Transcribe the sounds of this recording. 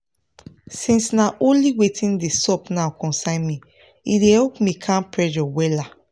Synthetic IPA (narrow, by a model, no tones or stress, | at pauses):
sĩnsnaʔõnliwetĩndesɔpnawkɔ̃nsãɪ̃nmi | idehɛlpmĩkʰãnpɹɛd͡ʒɔwɛla